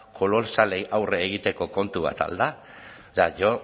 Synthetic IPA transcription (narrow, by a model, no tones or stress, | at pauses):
ko̞lo̞lsalejʔawreːɣ̞it̪e̞ko̞ko̞nt̪uβ̞a̰t̪a̰ld̪a | saʝo